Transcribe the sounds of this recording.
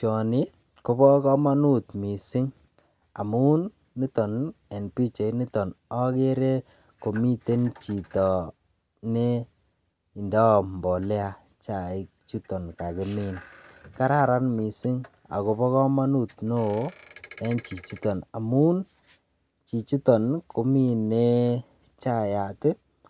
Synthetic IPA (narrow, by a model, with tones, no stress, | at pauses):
t͡ʃɔ˨nɪ˦ | ko˦bɔ˦kɔ˦ma˦nu˦tmi˨si˦ŋ | a̰˨mu˦nː | i˦tɔ˨nɛ˨npi˦t͡ʃe˨i˦ni˦tɔ˨nɔ˦ke˦ɾe˦ | ko˨mi˦te˦nt͡ʃi˨tɔ˨ | ne˦ | i˨ndɔ˦˨mbɔ˨lɛ˦a˦˨ | t͡ʃa˨ɪ˦ | t͡ʃu˦tɔ˨nka˨kɪ˨mi˦˨nka˦ɾa˦ɾa˦nmi˨sɪ˦ŋ | a̰˨ko˨bɔ˦kɔ˦ma˦nu˦˨tno˦˨˦ɛ˦nt͡ʃi˨t͡ʃi˦tɔ˨na˨mu˦n | t͡ʃi˨t͡ʃu˦tɔ˨nkʰo˨mi˦nːe˦ | t͡ʃa˦˨ja˨tɪ˦